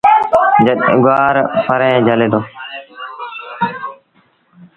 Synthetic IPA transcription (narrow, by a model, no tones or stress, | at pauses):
d͡ʒəɗɡʊaːɾpəɾẽːd͡ʒʱəleːd̪oː